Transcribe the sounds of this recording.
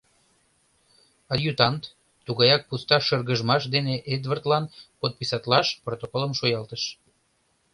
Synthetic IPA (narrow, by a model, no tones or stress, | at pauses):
ɑljut̪ɑnt̪ | t̪uɣɑjɑk̚pust̪ɑʃərɣəʒmɑʃd̪eneʔed̪vərt̪lɑnpot̪̚pisɑt̪lɑʃprot̪okoləmʃojɑlt̪əʃ